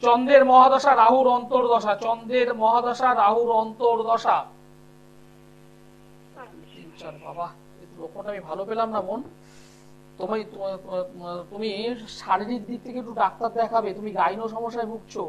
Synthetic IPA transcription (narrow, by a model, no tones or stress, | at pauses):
t͡ɕɔnd̪eɾmɔɦad̪ɔʃaɾaɦuɾɔnt̪oɾd̪ɔʃat͡ɕɔnd̪eɾmɔɦad̪ɔʃaɾaɦuɾɔnt̪oɾd̪ɔʃa | t̪int͡ɕaɾba̰ba | et̪ulokʰoʈamibʱalopelamnabon | t̪omet̪o | t̪umiʃaɾiɾiɾd̪it̪ʰːekek̚ʈːuɖak̚t̪aɾd̪ɛkʰabet̪umiɡajnoʃ̬ɔmoʃːaebʱuɡt͡ɕʰo